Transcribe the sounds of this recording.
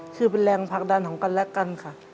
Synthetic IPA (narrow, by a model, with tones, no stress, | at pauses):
kʰɯː˧˩p̬e˨nlɛː˧ŋpʰaː˧˩k̚daː˧˨nkʰɔː˩˦ŋka˧˨nlɛ˦˥ka˧˨nkʰa˧˩